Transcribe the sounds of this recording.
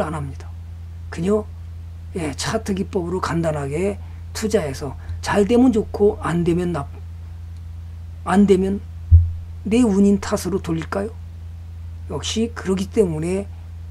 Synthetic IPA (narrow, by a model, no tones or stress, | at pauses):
anamɲid̥a | kɯɲo | je̞t͡ɕʰatʰɯɡip͈ʌbɯɾokandanɦaɡe̞ | tʰud͡ʑae̞sʰʌ | t͡ɕaɭte̞mʌnd͡ʑokʰoande̞mjʌnːap̚ | ande̞mjʌnː | e̞uɲintʰasʰɯɾotoʎːiɭk͈ajo | jʌk̚ɕ͈ikɯɾʌɡit͈e̞mune̞